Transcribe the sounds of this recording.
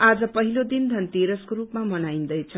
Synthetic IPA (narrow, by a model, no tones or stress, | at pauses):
ad͡zʌpʌɦilod̪ind̪ʱʌnt̪eɾʌskoɾupmamʌnaind̪ʌjt͡sʰʌ